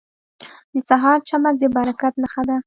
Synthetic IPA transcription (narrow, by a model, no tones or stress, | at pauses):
d̪ət͡saɦɑɾt͡ʃamak̚d̪əbaɾakat̪naxad̪a